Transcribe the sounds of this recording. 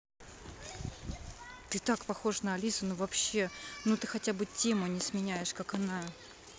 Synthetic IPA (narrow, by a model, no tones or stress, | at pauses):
t̪ɨt̪akpɐxo̞ʂnəɐlʲisɨnuvɐpɕːe̞nut̪ɨxɐtʲabɨtʲemʊnʲɪsmʲɪnʲæjɪʂkakɐna